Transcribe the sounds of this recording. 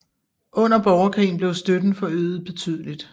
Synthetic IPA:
ʔɔ̽n̰ɐb̥ɒʊɐkʰʁḭːn̩b̥le̝ʊsd̥ød̥ð̩ˠfɒ̽øːð̩ˠb̥e̝t͡sʰy̰ð̞̰ˠəlid̥

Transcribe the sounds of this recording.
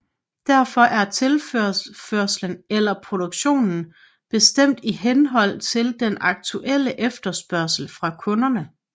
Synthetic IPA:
d̥æɐ̰fɒ̽ʔæɐt͡sʰe̝lføføɐ̰slənelɐpʰʁo̝d̥oɡ̥ɕo̝̰ːnn̩ | b̥e̝sd̥em̰d̥iɦenɦɒ̽l̰t͡sʰe̝ld̥enɑ̈ɡ̥̚t͡sʰuʔel̰əʔefd̥ɐsb̥ɶɐsl̩fʁɑ̈kʰɔ̽nɐnə

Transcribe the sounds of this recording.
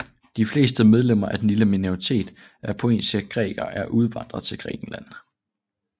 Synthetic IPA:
d̥ifle̝̰ːsd̥əmeð̞ˠlem̰ɐʔæd̥en̩liləminoʁit͡sʰe̝̰ːd̥ | æɐpʰo̝e̝̰ːnsəɡ̥ʁɛ̰ːɡ̥ɐʔæɐʔuð̞ˠʋɑ̈n̰d̥ʁɐt͡sʰe̝lɡ̥ʁɛ̰ːɡ̥n̩læn̰

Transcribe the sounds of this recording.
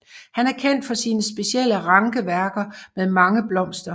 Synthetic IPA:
hænæɐkʰen̰d̥fɒ̽siːnəsb̥e̝siel̰əʁɑ̈ŋɡ̥əʋæɐɡ̥ɐmeðˠmɑ̈ŋəb̥lɒ̽m̰sd̥ɐ

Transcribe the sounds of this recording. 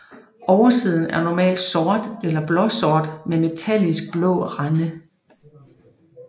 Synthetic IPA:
ɒʊɐsið̞̰ˠn̩æɐnɒmɛ̰ːld̥sɒːd̥elɐb̥lɒ̽sɒːd̥meme̝t͡sʰælisɡ̥̚b̥lɔ̰̽ːʁanə

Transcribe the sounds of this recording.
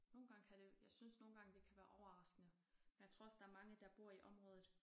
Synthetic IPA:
no̝ːn̩ɡ̥ɑ̈ŋ̰əkʰæɾe̝jɑ̈ɪsynsno̝ːn̩ɡɑ̈ŋd̥e̝kʰæʋæːɐʔɒʊɐʁɑ̈sɡ̥ənə | menjat͡sʰʁoɐsd̥ɑ̈æɐmɑ̈ŋəd̥ɑ̈b̥o̝ɐ̰iʔɒ̽mʁɔ̽ːð̞ˠð̩ˠ

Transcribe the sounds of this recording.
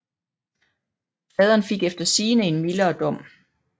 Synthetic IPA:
fɛð̞ˠɐnfe̝ɡ̥efd̥ɐsiːnəe̝nmilɐɒd̥ɒ̽m̰

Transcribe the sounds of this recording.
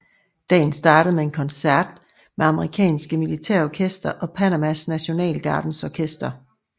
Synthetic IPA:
d̥ɛ̰ːn̩sd̥ɑ̈ːɾəð̩ˠmee̝nkʰɒ̽nsæɐ̰d̥ | meɑ̈məʁikʰɛ̰ːnsɡ̥əmilit͡sʰæɐ̰ɒkʰesd̥ɐʔɒ̽pʰænæmæsnæɕo̝nɛ̰ːlɡ̥ɑ̈ːd̥n̩sɒkʰesd̥ɐ

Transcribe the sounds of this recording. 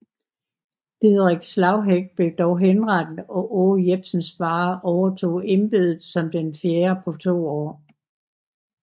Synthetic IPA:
d̥iðˠʁeɡ̥slɑ̈ʊɦeɡ̥̚b̥le̝ʊd̥ɒʊɦenʁɑd̥n̩ɒ̽ʔoːjeb̥sn̩sb̥ɑ̈ːʔɒʊɐt͡sʰo̝̰ːe̝nb̥e̝ðˠð̩ˠsɒ̽md̥enfjeːɐpʰɒ̽t͡sʰo̝̰ːɒ̰ː

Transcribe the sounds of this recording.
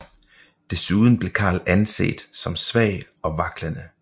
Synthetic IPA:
d̥e̝suðˠn̩b̥le̝kʰɑ̰̈ːlænse̝̰ːd̥sɒ̽msʋɛɪ̰ | ɒ̽ʋɑ̈ɡ̥lænə

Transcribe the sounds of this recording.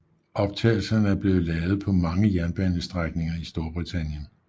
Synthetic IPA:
ʔɒ̽b̥̚t͡sʰɛ̰ːɪl̩sɐnəæɐb̥le̝ːð̩ˠlɛːʊð̞̩ˠpʰɒ̽mɑ̈ŋəjæɐnb̥ænəsd̥ʁaɡ̥ne̝ŋɐisd̥o̝ɐb̥ʁit͡sʰænjən

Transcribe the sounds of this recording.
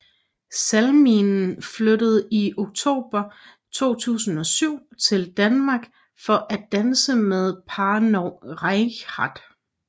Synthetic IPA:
sælminn̩flødəð̞̩ˠio̝ɡ̥̚t͡sʰo̝̰ːb̥ɐ | t͡sʰo̝̰ːt͡sʰṵːsn̩ɒ̽syʊ̰t͡sʰe̝ld̥ænmɑ̈ːɡ̥ | fɒ̽ʔæd̥ænsəmeð̞ˠpʰɑnoʁɑhɑd̥

